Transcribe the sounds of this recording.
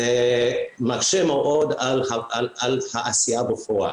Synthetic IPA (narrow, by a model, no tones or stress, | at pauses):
e | makʃemeʔod̪alhaalalhaʔasijabefoa̰